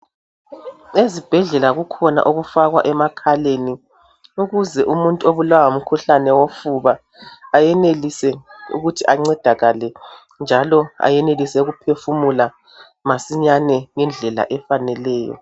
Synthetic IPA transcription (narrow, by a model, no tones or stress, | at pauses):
ezib̥ʱɛɮɛlaɣukʰɔna̰ʔoɣufaɣwa̰ʔɛmakʰaleni | uɣuzɛʔumuntʼuoβulawaum̩kʰuɬanɛwofuβaː | jɛnelisɛṵɣutʰiʔaŋ͡ǀɛd̥ʱaɣalɛ | nd͡ʒʱalɔa̰jɛnelisɛuɣupʰefumula | masiɲanɛŋɛnd͡ɮʱɛla̰ʔɛfanɛlɛːjɔ̰